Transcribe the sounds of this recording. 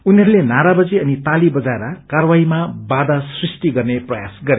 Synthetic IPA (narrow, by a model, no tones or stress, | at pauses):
uniɦʌɾulenaɾabʌd͡ziʌnit̪alibʌd͡zaeɾʌkarwaimabad̪asrisʈiɡʌrneprʌjasɡʌɾe